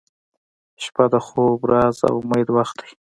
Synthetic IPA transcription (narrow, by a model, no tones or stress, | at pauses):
ʃpad̪əxobɾɑza̰wmajd̪waxt̪̚d̪ḁj